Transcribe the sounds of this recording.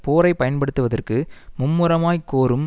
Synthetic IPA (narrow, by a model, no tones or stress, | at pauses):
poːɾɐɪpɐjɐnpɐɽɯt̪ːɯʋɐðɐrkɯmʊmːɯɾɐmaːjkːoːɾɯm